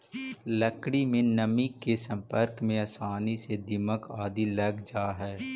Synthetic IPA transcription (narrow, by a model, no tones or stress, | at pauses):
ləkɽimẽnɐmikːesɐ̃mpəɾkmẽɐsaːnised̪ɪməkaːd̪ilɐɡd͡ʒaːɦɛː